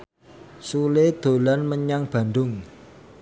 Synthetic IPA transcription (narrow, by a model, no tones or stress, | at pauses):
suled̪̥o̤lanməɲaŋb̥ä̤nɖ̪ʊŋ